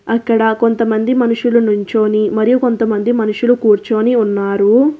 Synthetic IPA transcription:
ɐkːɐɽɐko̞nt̪ɐmɐnd̪imɐnuʂulunuɲt͡ʃo̞ːnimɐɾijuko̞nt̪ɐmɐnd̪imɐnuʂulukuːɾt͡ʃo̞ːniunːaːɾu

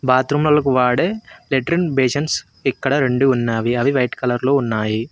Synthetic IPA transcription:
baːt̪ɾumlɐlɐkuʋaːɽeːleʈɾinbeːʃɐns | ikːɐɽɐɾe̞ɳɖuːnːaːʋiɐʋiʋɐjʈkɐlɐɾloːunːaːji

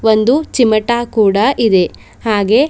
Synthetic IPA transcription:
ʋond̪ut͡ʃimɐʈaːkuːɽɐʔid̪e̞ | haːɡe̞

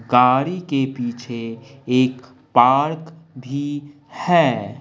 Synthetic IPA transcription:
ɡaːɾikepiːt͡ʃʰeeːk | paːɾkbʱi | hɛː

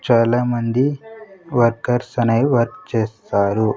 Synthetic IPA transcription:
t͡ʃaːlaːmɐnd̪iʋɐɾkɐɾsɐnɐjʋɐɾkt͡ʃeːst̪aːɾu

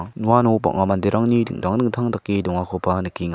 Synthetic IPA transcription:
nuanɔba̰ʔŋamandeɾaŋnidɯ̰ŋdaŋdɯŋt̪ʰaŋdakːidɔŋakʰɔpʰanɯkːiŋ

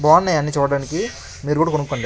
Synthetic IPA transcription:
bɔːnːɐjɐnːiːt͡ʃuːɽaːniki | miːɾukuːɽakonukːoɳɖi

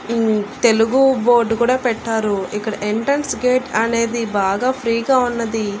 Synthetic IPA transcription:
t̪e̞luɡubo̞ːɾɖkuːɽaːpɛʈːaːɾuikːɐɽɐʔeɳʈɾɐnsɡe̞ːʈɐne̞ːd̪ibaːɡaːpʰɾiːɡaːunːɐd̪i

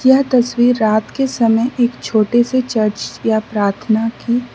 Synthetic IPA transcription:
jaɦt̪ɐswiːɾːaːt̪kesɐməjʔeːkt͡ʃʰoːʈeset͡ʃɐɾt͡ʃjapɾaːɾt̪ʰnaki

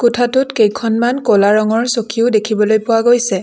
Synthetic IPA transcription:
kʊtʰatʊtkejkʰɔnmankɔlaɹɔŋɔɹsokʰiʊdekʰibɔlojpʊwaɡojsɛ

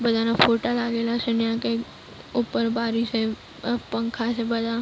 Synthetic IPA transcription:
bɐd͡ʒanafʰoːʈalaːɡelasɪnjãke | uːpəɾbaːɾise | pə̃ŋkʰasebɐd͡ʒa

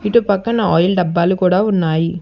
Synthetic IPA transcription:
ɪʈːɯpɐkːɐnɐɔjɐlɖɐbːaːlɯkuːɽaːʊnːaːji

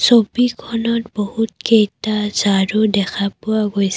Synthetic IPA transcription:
sobikʰɔnɔtbɔhutkejtazaɹudɛkʰapuaɡojsɛ

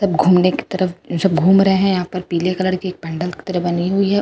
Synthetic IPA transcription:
sɐbɡʱuːmneki̥t̪ɐɾəfd͡ʒɐbɡʱuːmɾɐɦeɦɛ̃jɐɦãːpɐɾpiːlekɐləɽkieːk̚pɛ̃ːɳɖəlki̥t̪ɐɾəfbɐniɦʊiɦɛ

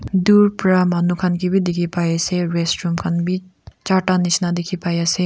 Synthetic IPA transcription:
d̪uːɾpɾamanukʰɐnkibʱid̪ikʰipaːjeseɾeːsʈɾumkʰɐnbʱit͡ʃaːʈaniʃnad̪ikʰipaːjase

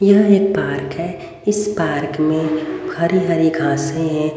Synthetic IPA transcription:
jɐɦeːk̚paːɾkɦɛ | ɪspaːɾkmẽhɐɾiɦɐɾiɡʱãːsẽɦɛ̃

